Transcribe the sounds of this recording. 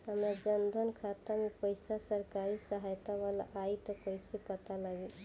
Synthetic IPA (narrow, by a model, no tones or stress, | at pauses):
ɦəmɾad͡ʒənd̪ʱənkʰat̪amepəɪsasəɾkaɾisəɦajt̪aʋala̰ʔait̪ɔkoisepət̪alaɡi